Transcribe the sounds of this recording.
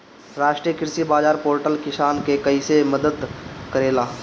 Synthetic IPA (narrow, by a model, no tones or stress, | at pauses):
ɾaːʃʈɾijəkɪɾsibaːd͡ʒaːɾpoːɾʈəlkɪʃaːnkekɐɪseməd̪əd̪kɐɾeːlaː